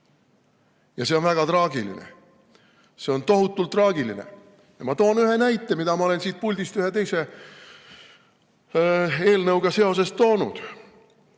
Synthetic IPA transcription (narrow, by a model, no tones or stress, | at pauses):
jɑse̞o̞nvæɡ̥ɑt̪rɑːɡ̥ilḭnḛ | se̞o̞nt̪o̞ɦut̪ːˑult̪ːˑrɑːɡiline̞̰ | jɑmɑt̪o̞ːnyɦe̞næjt̪ˑːe̞mid̪̥ɑmɑo̞le̞nsiːt̪̚pulʲd̪ist̪yɦe̞t̪e̞jse̞ | e̞ːlnɤwɡ̥ɑse̞o̞s̬e̞st̪ːo̞ːnud̪̥